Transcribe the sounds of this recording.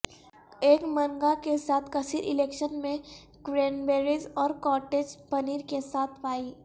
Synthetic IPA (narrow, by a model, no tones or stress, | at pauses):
eːkmɐ̃ŋɡakesaːt̪ʰkɐsiːɾʔɪleːkʃənmẽ | ɡɾeːnbeːɾizɔːɾkɔːɾʈeːd͡ʒpɐniːɾkesaːt̪ʰpaːiː